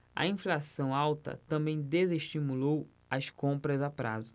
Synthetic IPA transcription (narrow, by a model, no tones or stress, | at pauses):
ɐ̰ĩflasɐ̃w̃awt̪ɐ̰t̪ɐ̃bẽj̃d̪ezeʃt͡ʃimulow | ɐskõmpɾɐzapɾa̰zʊ